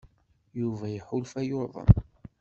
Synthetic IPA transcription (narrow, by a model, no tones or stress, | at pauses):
juvæjəħʊlfæjʊɾðˤə̰m